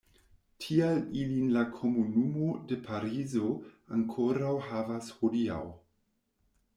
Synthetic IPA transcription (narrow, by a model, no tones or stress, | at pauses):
tʰialilinlakʰo̞munumode̞pʰaɾizo̞aŋkʰoɾawɦavashodia̰w